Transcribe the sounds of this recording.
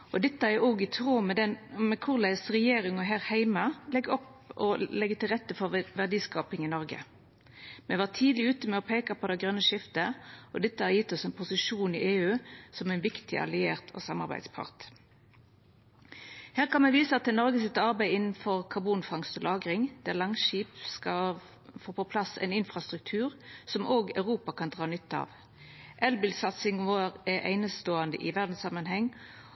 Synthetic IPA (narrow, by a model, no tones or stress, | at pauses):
ɔd̪ɛt̪ːəɛoːɡɪt̪ʰʁoːmɛd̪ɛmɛkʰʊʁlæɪsʁɛjeːɾɪŋɔɦæːʁhæɪmɑlɛɡɔp | ɔ̰lɛɡːət̪ɪlʁɛt̪ːəfɔʁʋæʁd̪iːskɑːpɪŋɪnɔɾɡə̰ | mɛʋɑʁt̪ʰiːd̪lɪʉːt̪əmɛɔpʰeːkɑpʰɔd̪ɛɡʁœnːəʃɪft̪əɔd̪ɛt̪ːəɑʁjɪt̪ːɔsɛɪnpʰʊsɪʂuːniʔeːʉːsɔmæɪnʋɪkt̪ʰɪ̰ʔɑ̰lɪeːʁt̪ʰɔ̰ːsɑmɑʁbæ̰ɪd̪spʰɑ̰ʁt̪ | heːʁkɑnmɛʋiːsəɑt̪̚ːɛnɔʁɡəsɪt̪ːɑʁbæɪɪnn̩fɔʁkʰɑʁbuːnfɑŋst̪ɔlɑːɡʁɪŋd̪̥ɛæːʁlɑŋʃiːpskɑ | foːpɔpʰlɑsɛ̰ɪnɪnfʁɑst̪ʁʉk̚t̪ʰʉːʁsɔmʔoːɡɑʉʁuːpɑkʰɑnd̪ʁɑːnʏt̪ːɑ̰ʋ | ʔɛlbɪlsɑt̪sɪŋʋoːʁɛʔæ̰ɪnəst̪oːɑnd̪ə̰ʔɪʋæʁd̪n̩sɑmənɦhɛŋː